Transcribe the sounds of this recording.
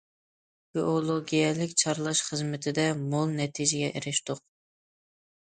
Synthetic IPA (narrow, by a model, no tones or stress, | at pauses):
ɡ̥ʲiʔolˠoɡʲijɛlɪkʲt͡ʃʰɑɾlˠɑʃχəzmɪt̪ʰɪd̪ɛmolˠnɛt̪ʰid͡ʒɪɡʲɛʔeɾɪʃt̪ʊq̚